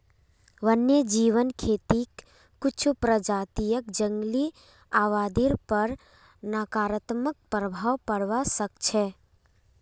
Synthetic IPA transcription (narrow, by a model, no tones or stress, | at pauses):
ʋənjed͡ʒiʋənkʰet̪ikː | ʊt͡ʃʰupɾəd͡ʒaːt̪ijəkd͡ʒəŋɡli | aʋaːd̪iɾpəɾ | nakaːɾət̪mək̚pɾəbʱawpəɽʋasəkt͡ʃʰɛ